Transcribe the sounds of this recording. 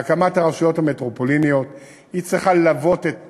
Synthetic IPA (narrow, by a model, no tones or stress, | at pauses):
kamataʁaʃujo̞thametʁopolinijo̞t̪ | it͡sʁiχalavo̞t̪et